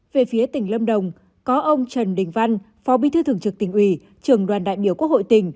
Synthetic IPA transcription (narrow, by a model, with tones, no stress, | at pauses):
ve˨˩fi˨˦ət̪ï˧˩ŋ̟lə˧mɗə˨˩wŋ͡m | kɔ˨˦ʔə˧wŋ͡mt͡ɕə˨˩nɗï˨˧˩ŋ̟va˧n | fɔ˨˦ɓi˧˥t̪ʰɨ˧t̪ʰɨ˨˧˩əŋt͡ɕɨ˨˩k̚t̪ï˨˩ŋ̟ʔwi˧˩ | t͡ɕɨ˨˩əŋɗwaː˨˩nɗa̰ː˧˨jɓi˧˩əku˦˥ək̚ho̰˧˨jt̪ï˨˩ŋ̟